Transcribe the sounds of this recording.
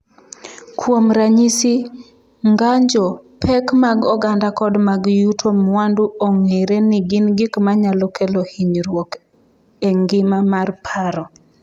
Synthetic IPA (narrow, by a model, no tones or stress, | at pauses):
kwomɾaɲisi | ŋɡaɲd͡ʒɔpɛkmaɡɔɡandakɔdmaɡjutʰomwanduoŋeɾenɪɡɪnɡikmaɲalɔkʰelohiɲɾwok | eŋɡɪmamarpʰaɾɔ